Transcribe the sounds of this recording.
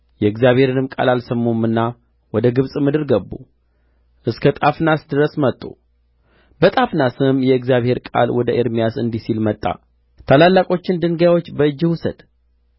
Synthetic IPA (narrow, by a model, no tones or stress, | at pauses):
jɛɨɡzjaβhe̞ɾɨnɨmkʼa̰lalsəmːomɨnːa | wɔd̪əɡɨβsʼmɨd̪ɨɾɡəbːṵ | ʔɨskʰət̪ʼafnasd̪ɨɾəsmət̪ʼːṵ | bət̪ʼafnasɨɨmjɛɨɡzjaβhe̞ɾkʼa̰lwɔd̪əʔeɾmijasɨ̰nd̪isilmət̪ʼːa̰ | t̪ʰalalːakʼo̞t͡ʃːɪnd̪ɨŋɡjawot͡ʃːbəɨd͡ʒːɨhusəd̪̥